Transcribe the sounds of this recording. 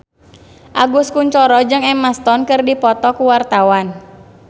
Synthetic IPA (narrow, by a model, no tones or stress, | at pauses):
ʔaɡuskuɲt͡ʃɔɾɔd͡ʒɨŋɛmast̪ɔnkɨrdipɔt̪ɔkuwart̪awan